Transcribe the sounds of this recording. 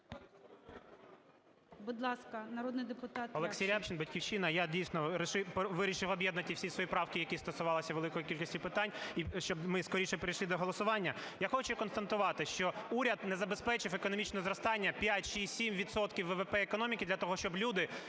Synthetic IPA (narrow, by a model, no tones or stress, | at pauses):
bʊd̪lˠɑskɐnɐɾɔd̪nɪjd̪epʊt̪ɑt̪ɔlˠeksʲijapt͡ʃʲinbɐtʲkʲiwt͡ʃinɐjadʲijsʲnɔɾɪʃɪpʋɪɾʲiʃɪwɔbjɛd̪nɐt̪ʲiwsʲisʋɔjipɾɑwkʲijɐkʲist̪ɔsʊʋɑlˠɪsʲɐʋelˠɪkɔjikʲilʲkɔsʲtʲipɪt̪ɑnʲiʃt͡ʃɔbmɪskɔɾiʃɛpeɾʲijʃlid̪ɔɦɔlˠɔsʊʋɑnʲːɐjaxɔt͡ʃʊkɔnst̪ɐnt̪ʊʋɑt̪ɪʃt͡ʃɔuɾʲɐd̪nɛzɐbespɛt͡ʃɪwekɔnɔmʲit͡ʃnɛzɾɔst̪ɑnʲːɐpʲjatʲʃisʲimʋʲid̪sɔt̪kʲiwːɛʋepɛɛkɔnɔmʲikʲid̪lʲɐt̪ɔɦɔʃt͡ʃɔblʲud̪ɪ